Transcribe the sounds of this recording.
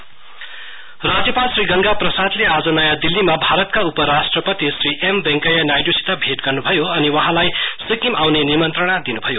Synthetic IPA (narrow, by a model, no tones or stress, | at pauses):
rad͡zjʌpalsriɡʌŋɡaprʌsad̪lead͡zʌnʌjad̪ilːimabʱaɾʌt̪̚kaupʌɾasʈrʌpʌt̪isriʔembẽŋkʌjanajɖusi̥t̪abʱeʈɡʌrnubʱʌjoʌniwʌɦãlajsikimawnenimʌnt̪rʌɽ̃ad̪inubʱʌjo